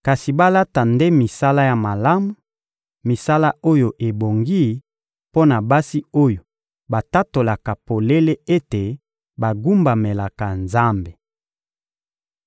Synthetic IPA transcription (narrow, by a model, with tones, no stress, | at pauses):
ka˨si˨ba˦la˦ta˨nde˦mi˨sa˦la˦ja˨ma˨la˦mu˨ | mi˨sa˦la˦o˦jo˨ʔe˨bo˨ŋɡi˦ | po˦na˨ba˦si˦o˦jo˨ | ba˨ta˦to˨la˨ka˨po˨le˦le˦e˦te˨ | ba˨ɡu˦mba˨me˨la˨ka˨nza˦mbe˨